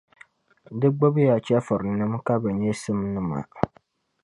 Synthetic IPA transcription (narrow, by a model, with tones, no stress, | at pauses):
dɨ˦ɡ͡bo˦bja˨t͡ʃɛ˦fɨ˨ɾnɨ˦mka˦bɨ˨ɲɛ˦sɨ˦mnɨ˦ma̰˨